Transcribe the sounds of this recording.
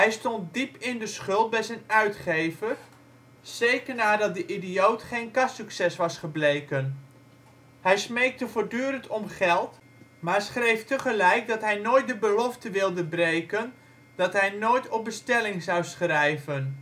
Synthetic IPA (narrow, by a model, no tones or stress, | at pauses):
ɦɛjstɔnt̚dipɪndəsχɵlˠt̚bɛjzɛjnœɥtχejvər | sejkərnaːdɑt̚dəʔidijowtχejnkɑssyksɛsʋɑsχəblejkən | hɛjsmejk̚təvoːɹdyːɾəntʰɔmχɛlˠt | maːɹsχrejftəχəlɛjk̚dɑtɦɛjnoːjt̚dəbəlɔftəʋɪlˠdəbrejkən | d̥ɑtɦɛjnoːjtʰɔp̚bəstɛlɪŋzɑwsχrɛjvən